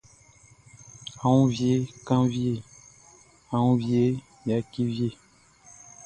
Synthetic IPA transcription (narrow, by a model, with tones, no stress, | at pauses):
a˨wũ˦vje˦kã˦vje˨ | ã˨ũ˦vje˦ | jja˨ki˦vje˦˨